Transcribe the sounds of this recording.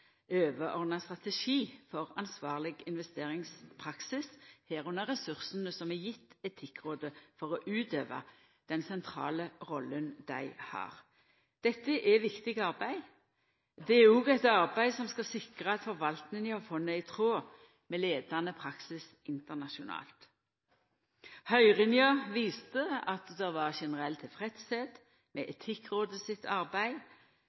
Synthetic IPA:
øːʋəʔɔʁd̪nɑst̪ʁɑt̪ɛʃiːfɔʁɑnsʋɑːʁlɪɡɪnʋɛst̪eːʁɪŋspʰʁɑksɪshæːʁʉnəʁɛsʉʁsənəsɔmɛjɪt̪ːɛt̪ʰɪkːʁoːd̪əfɔʁɔʔʉːt̪øːʋɑ̰ | d̪̥ɛnsɛnt̪ʰʁɑ̰ːləʁɔlːənd̪̥æɪhɑ̰ːʁ | d̪̥ɛt̪ːəʔɛʋɪkt̪ɪɡɑʁbæɪ | d̪ɛæɾɔɡæɪt̪ɑʁbæɪsɔmskɑsɪkʁəɑt̪fɔʁʋɑlt̪nɪŋəhɑfɔnːəæɪt̪ʰʁoː | mɛleːd̪ɑnəpʰʁɑksɪs | ɪnt̪əʁnɑʃʊnɑ̰ːlt̪ | hœʏʁɪnjɑʋiːst̪əɑt̪d̪ɛʋɑʁʃɛnəʁɛlt̪ʰɪlfʁɛt̪seːd̪ | mɛʔɛt̪ʰɪkʁoːd̪əsɪt̪ʰɑʁbæɪ

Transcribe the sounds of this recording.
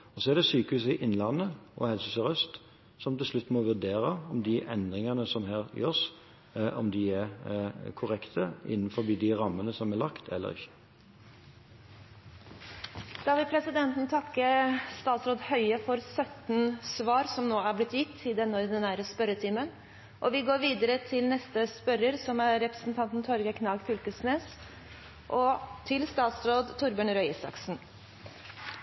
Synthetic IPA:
ɔsɔɛʁd̪ɛsyːkəʉsɪʔɪnlɑnːəʔɔ̰hɛlsʉsəʁœst̪ | sɔmt̪ɪlslʉt̪ːmɔʋʉʁd̪eːɾəɔmd̪ɪʔɛnd̪ʁɪŋənəsɔmhæːɾjø̰ːs | ʔɔ̰md̪ɪæʁkʰʊʁɛkt̪ʰəɪ̰nːnfɔbiːd̪ɪʁɑmːənəsɔmɛlɑkt̪ʰɛ̰lːə̰ʁɪ̰çːə̥ | d̪̥ɑːʋɪlpʰɾɛsɪd̪ɛnt̪nt̪ʰɑkːəst̪ɑːt̪sɾoːd̪hœʏəfɔɾsœt̪nsʋɑːɾsɔmnoːæblɪt̪ːjɪt̪ʰːɪd̪ɛnːɔd̪ənæːɾəspœɾət̪ʰɪmən | ʔɔʋɪɡoːɾʋiːd̪əɾət̪ʰɪlnɛst̪əspœɾəɾsɔmæɾɾɛpɾəsn̩t̪ʰɑnt̪n̩t̪ʰɔɾɡəkʰnɑlɡfʏlkəsneːs | ʔɔt̪ʰɪlst̪ɑːt̪sɾoːd̪t̪ʰʊɾbøːɳɾœʏɪsɑ̰ksn̩

